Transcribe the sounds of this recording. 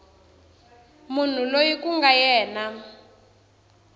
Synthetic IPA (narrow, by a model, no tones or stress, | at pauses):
mun̤ulojikuŋɡajɛːna